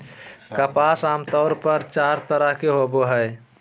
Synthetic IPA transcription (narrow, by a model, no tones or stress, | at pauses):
kəpaːsaːmt̪ɔːɾpəɾt͡ʃaːɾt̪əɾəɦkeɦoboɦəe